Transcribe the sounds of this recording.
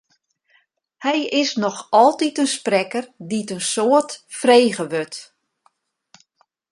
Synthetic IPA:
hɛjɪsnɔxɔlˠtitənsprɛkərditənsoətfrejɣəʋøt

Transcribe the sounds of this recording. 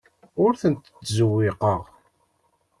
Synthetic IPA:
ʊɾθənt̪ə̥tzəwːɪqəʁ

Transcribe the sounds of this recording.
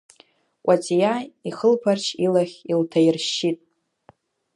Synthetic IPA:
kʷʼat͡sʼijaiχəlpʰart͡ʃʰilaχʲiltʰajirʃːitʼ

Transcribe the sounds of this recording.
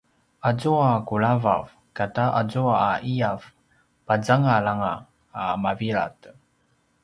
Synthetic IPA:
ad͡zuakuɭava̰v | kataʔad͡zuaaʔiav | pad͡zaŋalaŋaː | maviɾa̰t

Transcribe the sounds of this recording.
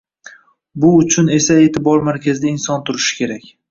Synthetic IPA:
bʊʊt͡ʃʰʊne̞sae̞t̪ʰɪbɒɾmaɾkʲʰazɪd̪aɪnsɒnt̪ʰʊɾɪʃɪ̥kʲe̞ɾakʲ

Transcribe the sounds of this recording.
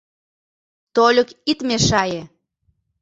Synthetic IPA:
t̪olʲɤ̆kit̪meʃɑje

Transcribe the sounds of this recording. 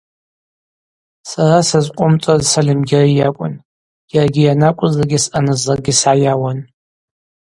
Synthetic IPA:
sarasazqʷʼʊmt͡sʷʼazsalɨmɡʲɪrijakʷʼʊ̰n | jarɡʲɪjanakʷʼʊzaɡʲɪsʔanɨzarɡʲisʕajawan

